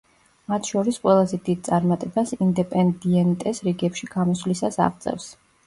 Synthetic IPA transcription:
mat̪ʰʃɔɾisqʼwɛlˠazɛd̪id̪̚t̪sʼaɾmat̪ʼɛbasind̪ɛpʼɛnd̪iɛnt̪ʼɛsɾiɡɛpʃiɡ̥amɔslisasa̰ʁt̪sʼɛ̰fs

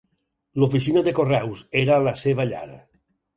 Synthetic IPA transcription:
lofis̬inad̪ekorɛwseɾalaseβaʎa̰ɾa̰

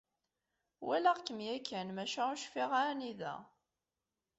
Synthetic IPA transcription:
wælæʁkːəmjækːænmæʃæuʃfiʁaniðæ̰

